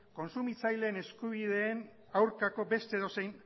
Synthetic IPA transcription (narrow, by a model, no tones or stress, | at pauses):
ko̞nsumit͡sajle̞ːne̞skuβiðe̞ːn | awɾkako̞be̞st̪eðo̞sejn